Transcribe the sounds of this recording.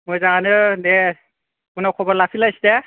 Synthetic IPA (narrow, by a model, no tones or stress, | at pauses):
mojzaŋanɯnɛ | kunɔkʰɔbɔɹlapʰilajstɛ